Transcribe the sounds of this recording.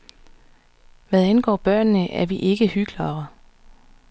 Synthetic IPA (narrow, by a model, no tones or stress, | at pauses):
ʋæðˠænɡ̥ɒ̰ːb̥ɶɐ̰nːəʔæɐʋiʔe̝ɡ̥əhyɡ̥lɐ